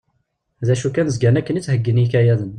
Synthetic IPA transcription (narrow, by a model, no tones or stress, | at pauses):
ðæʃukːænəzɡænækːənit͡sːhəɡːənjikæjæðən